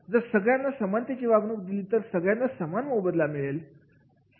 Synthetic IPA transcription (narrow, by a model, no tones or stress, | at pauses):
d͡zəɾsəɡɭjanːasəmant̪jat͡ɕiʋaɡnuk̚d̪iliːt̪əɾsəɡɭjanːasəmanmobəd̪lamiɭel | s